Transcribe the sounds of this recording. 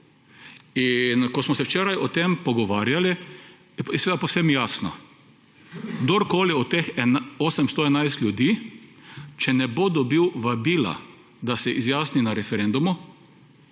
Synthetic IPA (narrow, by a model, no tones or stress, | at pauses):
inkɔsmɔsɛwt͡ʃɛːɾajʔɔt̪empɔɡɔʋaːɾjali | jɛjɛsʋeːd̪apowsɛmjaːsnɔ̰ | ɡd̪oɾkoːliɔt̪exɛoːsɛmst̪oɛnajst̪lʲjud̪iː | t͡ʃɛnɛbod̪ɔbiwʋabiːla̰ | d̪asɛʔizjaːsninaɾɛfɛɾɛnd̪umʊ